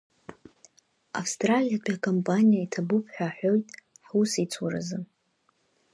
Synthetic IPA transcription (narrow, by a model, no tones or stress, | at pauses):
a̰fstʼralijadʷʼakʼompʼanijaitʰabʊpʰʼħʷᶣaħʷᶣojtʼħusit͡sʰwaɾa̰zɨ